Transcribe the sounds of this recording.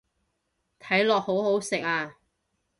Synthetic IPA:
t̪ʰɐ˨˥jlɔː˨k̚ho˨˥wɦo˨˥wsɪ˨k̚aː˧

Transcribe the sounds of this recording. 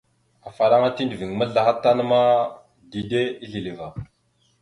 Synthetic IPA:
a˨fa˨ɾa˦ŋa˦ti˦ndi˨vi˨ŋ˨mə˦ɮa˨xa˦tːa˦nə˦ma˦ | di˨de˦i˦ɮi˨li˨va˨

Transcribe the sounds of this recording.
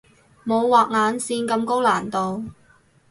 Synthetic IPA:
mo˨˧wwaː˨k̚ŋaː˨˧nsiː˧nkɐ˧mko˥wlaː˨˩nt̪o˨w

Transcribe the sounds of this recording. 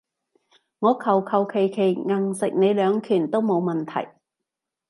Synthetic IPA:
ŋɔː˨˧kʰɐ˨˩wkʰɐ˨wkʰe˨˩jkʰe˨˩jŋɐ˨˩ŋsɪ˨k̚ne˨˧jlœː˨˧ŋkʰyː˨˩nt̪o˥wmo˨˧wmɐ˨˩nt̪ʰɐ̰˨˩j

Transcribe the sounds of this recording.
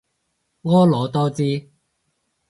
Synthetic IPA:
ŋɔː˥lɔː˨˥t̪ɔː˥t͡siː˥

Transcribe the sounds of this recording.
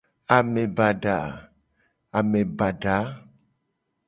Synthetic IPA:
a˨mẽ˨ba˨ɖa˨ | a˨me˨ba˨ɖa˨˦

